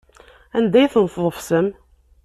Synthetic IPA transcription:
ænd̪æjθnəfðˤəfsəm

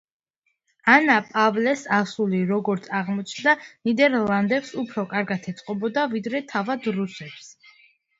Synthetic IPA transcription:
anapʼavlɛsasuliɾɔɡɔɾt̪sʰaʁmɔt͡ʃʰnd̪anid̪ɛɾlˠand̪ɛpsupʰɾɔkʼaɾɡat̪ʰɛt̪sʼqʼɔbɔd̪avid̪ɾɛt̪ʰavad̪ɾusɛps

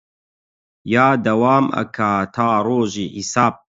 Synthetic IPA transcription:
jaːd̪ɐwaːmɐ̰kʰat̪ʰaːɾoːʒiːħisaːb̚

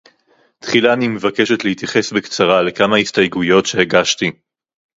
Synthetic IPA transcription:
t̪χilaːnimevake̞ʃe̞t̪leit̪jaχe̞sbekt͡saʁale̞kamahistajɡujo̞tʃe̞heɡaʃt̪i

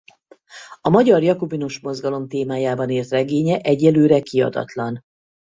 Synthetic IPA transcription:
ɒmɒɟɒrjɒkobinoʃmo̞zɡɒlo̞mt̪eːmaːjaːbɒneːrt̪rɛɡeːɲɛʔɛɟːɛløːɾɛkiɒ̰d̪ɒ̰t̪lɒn

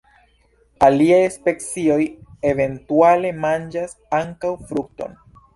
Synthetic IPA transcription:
aliajspe̞kt͡sio̞je̞ve̞ntuale̞mand͡ʒas | aŋkawfɾuk̚to̞̰n

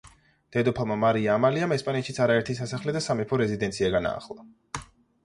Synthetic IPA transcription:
d̪̥ɛd̪ɔpʰamamaɾiaːmaliamɛspʼanɛt̪ʃit̪sʰaɾaɛɾt̪ʰisasaχlɛd̪asamɛpʰɔɾɛzid̪ɛnt̪sʰiaɡana̰ːχlˠa

